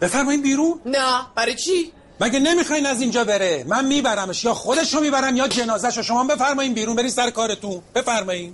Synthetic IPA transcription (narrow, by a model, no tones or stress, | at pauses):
b̥e̞fæɾmɒːjiːd̪biːɾuːnnæb̥æɾɒjt͡ʃʰi | mæɟene̞miːxɒːjinæzind͡ʒɒːbe̞ɾemænmiːbæɾæmeʃjɒːxo̞d̪eʃomiːbæɾæmjɒːd͡ʒe̞nɒːzæʃoʃo̞mɒːmbefæɾmɒːjiːnbiːɾunmbe̞ɾiːnsæɾekɒːɾe̞t̪unb̥e̞fæɾmɒːiːn